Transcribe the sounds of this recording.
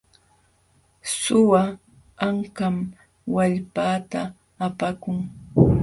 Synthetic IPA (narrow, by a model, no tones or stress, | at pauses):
sʊwa | aŋkam | waʎpaːt̪aː | pakʊŋ